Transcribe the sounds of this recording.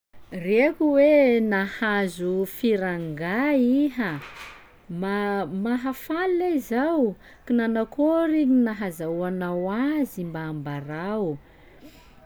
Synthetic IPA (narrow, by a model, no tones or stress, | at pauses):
rekuwenahazufiɾaŋɡaiɦa | mamaɦafalaizaw | kinanakoɾinaɦazawanawazimbaːmbaɾaw